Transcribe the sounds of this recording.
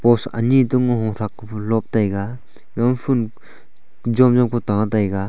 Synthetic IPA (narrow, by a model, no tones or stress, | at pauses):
pɔsa̰nituŋɦɔŋɾak̚ | lɔp̚tajɡa | ɡampʰun | d͡ʒɔmd͡ʒɔmkʰɔtaŋatajɡa